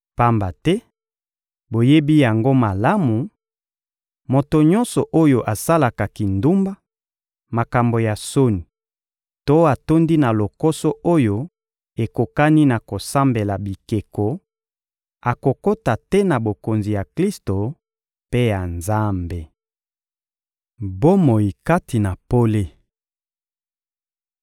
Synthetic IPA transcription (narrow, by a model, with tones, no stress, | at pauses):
pa˦mba˨tɛ˦ | bo˨je˦bi˦ja˨ŋɡo˦ma˨la˦mu˨ | mo˨to˨ɲɔ˦nsɔ˨ʔo˦jo˦ʔa˨sa˦la˨ka˨ki˨ndu˦mba˦ | ma˨ka˨mbo˨ja˨so˦ni˨ | to˦a˨to˦ndi˦na˨lo˨ko˦sɔ˦ʔo˦jo˦ | e˨ko˨ka˦ni˦na˨ko˨sa˦mbe˨la˨bi˨ke˨ko˨ | a˨ko˨ko˦ta˨tɛ˦na˨bo˨ko˨nzi˨ja˨kli˦sto˨ | pe˦ja˨nza˦mbe˨ | bo˦mo˨ji˨ka˦ti˨na˨po˦le˦